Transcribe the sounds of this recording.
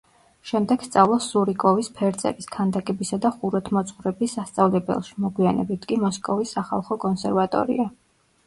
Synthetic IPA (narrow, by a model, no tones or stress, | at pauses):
ʃɛmd̪ɛɡ̥st̪sʼavlˠɔsuɾikʼɔvispʰɛɾt̪sʼɛ̰ɾiskʰand̪akʼɛbisad̪aχuɾat̪ʰmɔt̪sʼχuɾɛbisːast̪sʼavlɛbɛ̰lˠʃi̥mɔɡwianɛ̰bit̪ʰkʼimɔskʼɔvisːaχa̰lˠχɔkʼɔnsɛɾvat̪ʼɔ̰ɾḭa